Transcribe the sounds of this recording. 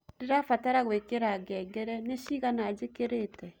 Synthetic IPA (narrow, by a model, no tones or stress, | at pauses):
deɾafataɾaɣwekeɾaɡɛːɡɛɾɛneʃiɣanad͡ʒekeɾetɛ